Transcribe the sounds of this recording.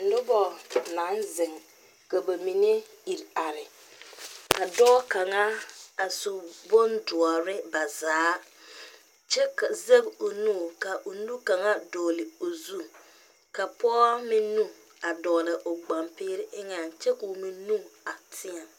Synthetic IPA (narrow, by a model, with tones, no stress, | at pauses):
n̩˨˦dʊ˦bɔ˦na˨˦nzɪ˨ŋ | ka˨ba˨mi˨ne˦ | i˨ɾa˨ɾɪ˨ | ka˨dɔː˦ka˨ŋa˦a˨so˨bo˦ndʊ˨ɔ˨ɾɪ˦ba˨zaː˨˦ | t͡ʃɛ˦ka˨ze˦bo˨nuː˦˨ka˨ʔo˨nu˦ka˨ŋa˦dɔː˨lɪ˨o˨zu˦ | ka˨pɔː˦mi˦nu˦ | a˨dɔː˨lɪ˨ʔo˨ɡ͡ba˨mpɪː˦ɾɪ˦ʔɪ˦ŋa˨nt͡ʃɛ˦ko˨mi˦nu˦a˨tʰɪ˦a˨m